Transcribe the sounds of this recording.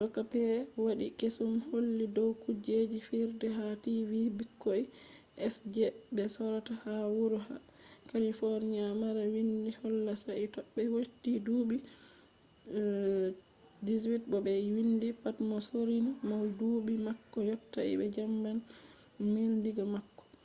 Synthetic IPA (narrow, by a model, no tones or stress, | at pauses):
dɔkːapɛwaɗikesumholːidɔwkud͡ʒed͡ʒifiɾdɛɦativibikːoi | ʔɛsd͡ʒɛbɛsɔɾatahawuɾuɦa̰ | kalifoɾniamaɾawindihɔlːasaitɔɓːɛwotːiduːbi | diswit̚bɔbɛwindipatmɔsoɾinimawdubimakːɔjɔtːaḭbɛd͡ʒamban | mindiɡamakːɔ̥